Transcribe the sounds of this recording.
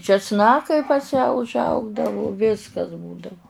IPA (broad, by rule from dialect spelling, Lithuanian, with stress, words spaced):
t͡ʃʲɛsˈnɑːkɐɪ pɐs jæː ʊʒˈɐʊɡdɐʋʊ ˈʋʲɪskɐs ˈbuːdɐʋʊ